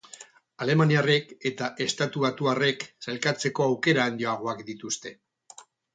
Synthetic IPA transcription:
ale̞maniare̞ke̞t̪aʔe̞st̪at̪uβat̪uare̞ksalkat͡se̞ko̞awke̞ɾaːnd̪io̞aɣ̞o̞akd̪it̪ust̪e̞

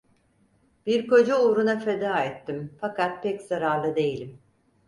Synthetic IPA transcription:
b̥iɾko̞d͡ʒauːɾunafe̞d̪aːɛt̪ʰːimfakat̪̚pʰɛcz̥aɾaɾlˠɯd̪e̞jilʲim

